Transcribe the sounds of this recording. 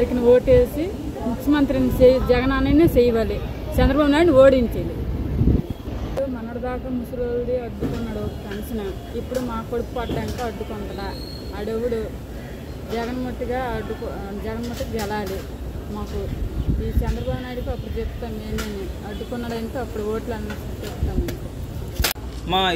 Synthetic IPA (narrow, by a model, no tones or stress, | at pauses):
ɐɾikinio̞ːʈeːsi | mukʰjɐmɐnt̪ɾinit͡ʃed͡ʒɛɡɐnaːnɐnit͡ʃejʋaːli | t͡ʃɐnd̪ɾɐbaːbunaːjɽniʋo̞ːɽiɲt͡ʃeːlḭ | ipɽumɐnɐɽɐd̪aːkaːmusuloːlɽiɐd̪ːukunːɐɽɔkɐkɐnisinɐ | ipːuɽumaːkuɐɽupupɐʈɐɖɐɳʈoːɐɖ̪ːukɔɳʈɐɽaː | ɐɽewːuɽu | d͡ʒɛɡɐnmɐʈ̪ːɐɡaːɐɖːuk | d͡ʒɛɡɐnmɐʈ̪ːɐkid͡ʒɛlaːli | maːkuiːt͡ʃɛnd̪ɾɐbʱaːbunaːjɽukiɐpːuɽud͡ʒept̪ːaːmneːneniɐɖ̪ːukunːɐɽɐjnt̪oːɐpːuɽuoːʈlɐnɐnɐst͡ʃept̪ːaːmɐniku | maː